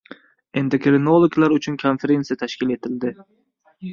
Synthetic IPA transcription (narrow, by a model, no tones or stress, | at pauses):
e̞nd̪okʲɾɪnolˠoɡlaɾʊt͡ʃʰʊnkʰonfeɾe̞nsijat̪ʰaʃkʲɪle̞t̪ʰɪld̪ɪ